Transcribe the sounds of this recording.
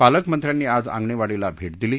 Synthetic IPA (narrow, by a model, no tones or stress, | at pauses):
paləkmənt̪ɾjanːiːad͡zã̰ŋɡɳeʋaɽilabʱeʈ̚d̪iliː